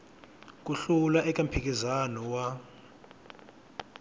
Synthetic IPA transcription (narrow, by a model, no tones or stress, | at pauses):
k̬ʼuɬulaʔɛkʼam̩pʰik̬ʼizanɔwa